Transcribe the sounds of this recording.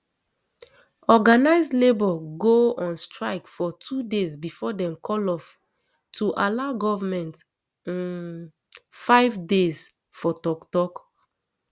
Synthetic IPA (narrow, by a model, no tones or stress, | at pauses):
ɔɡanaɪzlebɔɡoɔ̃nstɹaɪkfɔtʰudezbifɔdɛ̃mkʰɔlɔf | tʰuʔalaʊɡɔvamɛ̃nt | ĩn | faɪvdez | fɔtɔktɔk